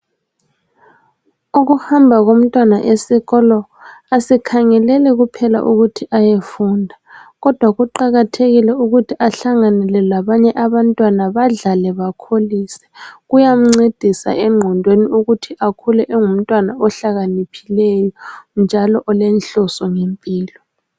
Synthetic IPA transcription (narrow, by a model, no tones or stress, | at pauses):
uɣuhambʱaɣom̩tʼwana̰ʔesiɣɔlɔasikʰaŋɛlɛlɛɣupʰɛla̰ʔuɣutʰiʔajefundʱaɣɔd̥ʱwaɣuǃaɣatʰeɣilɛuɣutʰiʔaɬaŋanɛlɛlaβaɲɛʔaβantʼwanaβaɮalɛβakʰoliːsɛ̥ɣujam̩ŋ͡ǀed̥ʱisa̰ʔɛŋ͡ǃʱɔndʱweniʔuɣutʰiʔakʰulɛʔɛŋum̩tʼwanaɔɬaɣanipʰilɛjɔnd͡ʒʱalɔʔɔlɛnɬɔsɔŋempʼiːlɔ